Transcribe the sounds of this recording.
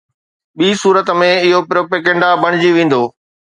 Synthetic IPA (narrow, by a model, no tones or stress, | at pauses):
ɓiːsuːɾət̪mẽɪɦopɾoːpeːkẽɳɖabʱɐɽ̃ɪd͡ʑiʋẽːn̆d̪oː